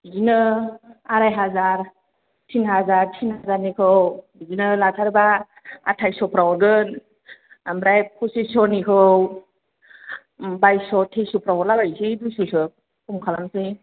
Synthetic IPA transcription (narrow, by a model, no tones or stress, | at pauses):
zinɯ | aɾajɦazaɾ | tʰinɦazaɾtʰinhazaɾnikʰɯwbizinɯlatʰaɾba | a̰tʰajsɔpʰɾawɔɾɡɯn | amɾajpʰɔsisɔnikʰɯw | bajsɔtʰesupɾawɔɾlabajsidujsusɯ | kumkʰalamsij